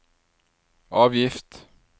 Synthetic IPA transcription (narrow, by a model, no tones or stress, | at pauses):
ʔɑːʋjɪft̪